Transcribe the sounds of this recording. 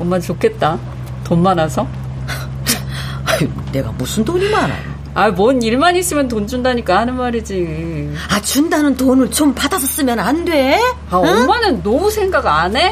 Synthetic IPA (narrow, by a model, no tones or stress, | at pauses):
ommant͡ɕokʰe̞t̚t͈a | tonmanasʰʌ | aine̞ɡa̰musʰɯndoɲimana̰o | aimʌniɭmaɲis͈ɯmjʌntond͡ʑundaɲik͈ahanɯnmaɾid͡ʑi | at͡ɕundanɯntonɯɭt͡ɕompadasʰʌs͈ɯmjʌnandwe̞ | aomanɯnːomusʰe̞ŋɡaɡɯane̞